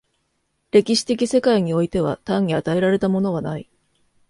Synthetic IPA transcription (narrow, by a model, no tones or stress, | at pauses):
ɾe̞kʲiɕi̥t̪e̞kʲise̞kaiɲ̟io̞it̪e̞β̞a̰t̪ãɲ̟ːiat̪ae̞ɾaɾe̞t̪amo̞no̞β̞anai